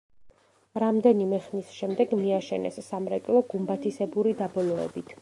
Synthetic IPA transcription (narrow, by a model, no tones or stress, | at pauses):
ɾamd̪ɛnimɛχnisʃɛmd̪ɛɡmiaʃɛnɛ̰sːamɾɛkʼlˠɔɡumbat̪ʰisɛbuɾid̪abɔlɔɛ̰bit̪ʰ